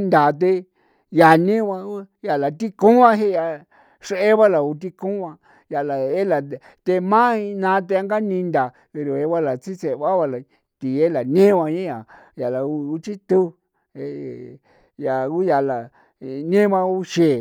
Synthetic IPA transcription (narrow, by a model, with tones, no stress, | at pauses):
nd̪a˨t̪̬e˧ | ja˨nẽ˦βa˧u˦ | ja˨la˨t̪i˦kũ˦ã˧ɦe˦˧ja˧ | ʂe˧˦e˦βa˦la˨u˧t̪̬i˧kũ˦ã˧ | ja˧la˨e˦la˨ | t̪e˧mã˦i˧nã˧˦˧t̪̬e˧a˧ŋɡa˦nĩ˧nd̪a˨ | pe˧ɾo˨e˧βa˧˦la˨t͡si˦t͡se˨βa˦βa˧la˨ | t̪i˨e˦la˨nẽ˦βa˧ɲẽ˦ja˨ | ja˨la˨u˧u˧t͡ʃi˦t̪u˦ | e˧ | ja˨u˦ja˨la˨ | nẽ˦βa˧u˦ʃe˨